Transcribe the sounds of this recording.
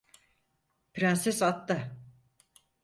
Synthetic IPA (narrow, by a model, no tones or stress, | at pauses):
pɾansɛsat̪ːa